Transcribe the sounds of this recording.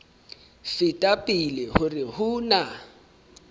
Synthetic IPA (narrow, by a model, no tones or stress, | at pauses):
sɪtʼapʼɪlɪhʊrɪhʊna